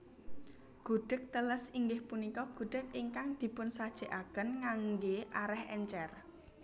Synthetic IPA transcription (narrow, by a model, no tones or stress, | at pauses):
ɡ̥ṳɖ̥ək̚t̪ələsiŋɡɪhpunikɔɡ̥ṳɖ̥ə̤k̚iŋkaŋd̪̥i̤pʊnsad̥ʒ̥e̤ʔaɡ̥ənŋaŋɡeʔaɾɛhɛɲt͡ʃɛr